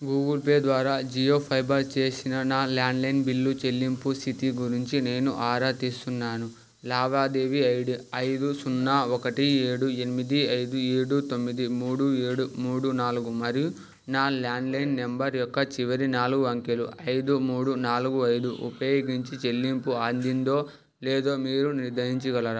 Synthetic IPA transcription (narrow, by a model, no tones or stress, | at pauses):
ɡuːɡɐlpeːd̪ʋaːɾaːd͡ʒijo̞ːpʰɐjbɐɾt͡ʃe̞ːsinɐnaːlaːɳɖlɐjnbilːut͡ʃe̞lːimpusit̪iɡuɾiɲt͡ʃine̞ːnuʔaːɾaːt̪ist̪unːaːnu | laːʋaːd̪eːʋiɐjɽuɐjd̪usunːaːɔkɐʈieːɽue̞nimid̪iɐjd̪ueːɽut̪o̞mːid̪imuːɽueːɽumuːɽunaːluɡumɐɾiju | naːlaːɳɖlɐjnːe̞mbɐɾjɔkːɐt͡ʃiʋɐɾinaːluɡuʋɐŋkeluʔɐjd̪umuːɽunaːluɡuɐjd̪uʔṵpɐjoːɡiɲt͡ʃit͡ʃe̞lːimpuaːnd̪ind̪o̞ː | lɛːd̪o̞ːmiːɾuniɾd̪ɐɦiɲt͡ʃuɡɐlɐɾa